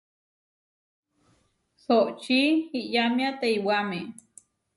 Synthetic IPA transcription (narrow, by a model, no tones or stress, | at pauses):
soʔt͡ʃihiʔjamĩat̪eiwame